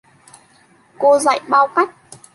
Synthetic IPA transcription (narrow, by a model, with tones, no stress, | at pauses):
ko˧za̰˧˨jɓaː˧wka˦˥jk̚